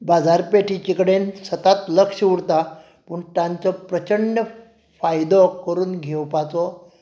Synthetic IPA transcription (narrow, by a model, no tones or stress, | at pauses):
bad͡zaɾpeʈʰit͡ɕikɽensət̪at̪ləkʂəuɽt̪a | puɳʈãɲt͡sɔpɾət͡ɕəɳjə | fajd̪ɔkəɾuːnɡʱewpat͡sɔ